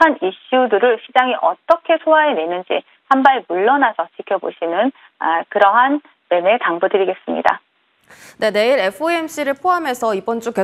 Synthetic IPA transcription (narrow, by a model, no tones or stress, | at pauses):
aniɕ͈udɯɾɯɭɕʰid͡ʑaŋiʔʌt͈ʌkʰe̞sʰoaɦenwe̞nɯnd͡ʑḭ | hambaimuɭːʌnasʰʌt͡ɕikʰjʌbo̰ɕʰinɯn | akɯɾʌɦan | me̞meɭtaŋbudɯɾiɡe̞s͈ɯmɲḭda̰ | ne̞ne̞iɾe̞pʰɯemɕ͈iɾɯɭpʰoɦame̞sʰʌibʌnd͡ʑ͈uke